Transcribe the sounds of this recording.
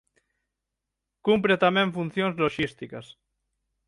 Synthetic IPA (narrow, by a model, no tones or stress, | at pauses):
kumpɾet̪amẽɱfun̟θjonzloʃist̪ikas